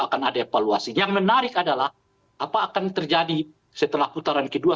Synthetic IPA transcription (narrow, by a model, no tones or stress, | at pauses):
akanadaefaluasijaŋmənaɾɪkadalah | apaːkant̪ərd͡ʒadi | sət̪əlahput̪aɾankədua